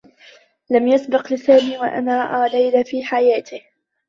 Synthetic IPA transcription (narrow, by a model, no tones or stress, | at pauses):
lamjasbɪqlɪsaːmiːwaʔa̰naːʔaːlajlafiːħajaːt̪ɪh